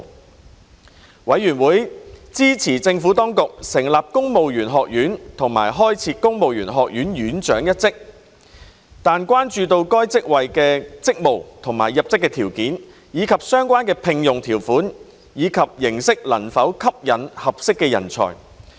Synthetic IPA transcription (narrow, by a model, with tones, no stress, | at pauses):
wɐ˨˥jɥyː˨˩nwuː˨˥jt͡siː˥t͡sʰiː˨˩t͡sɪ˧ŋfuː˨˥t̪ɔː˥ŋkʊ˨k̚sɪ˨˩ŋlaː˨p̚kʊ˥ŋmo˨wjyː˨˩nɦɔː˨k̚jyː˨˥nt̪ʰʊ˨˩ŋma̰ː˨˩jɦɔː˥jt͡sʰiː˧kʊ˥ŋmo˨wjyː˨˩nɦɔː˨k̚jyː˨˥njyː˨˥nt͡ʃœː˨˥ŋjɐ˥t̚t͡sɪ˥k̚ | t̪aː˨nkwaː˥nt͡ʃyː˧t̪o˧wkɔː˥jt͡sɪ˥k̚wɐ˨jkɛː˧t͡sɪ˥k̚mo˨wt̪ʰʊ˨˩ŋma̰ː˨˩jːɐ˨p̚t͡sɪ˥kːɛː˧t̪ʰiː˨˩wkiː˨˥n | jiː˨˧kʰɐ˨p̚sœː˥ŋkʷaː˥nkɛː˧pʰɪ˧ŋjʊ˨˩ŋt̪ʰiː˨˩wfuː˨˥n | jiː˨˧kʰɐ˨p̚jɪ˨˩ŋsɪ˥k̚lɐ˨˩nfɐ˨˥wkʰɐ˥p̚jɐ˨˩nhɐ˨p̚sɪ˥kːɛː˧jɐ̰˨˩nt͡sʰɔ̰ː˨˩j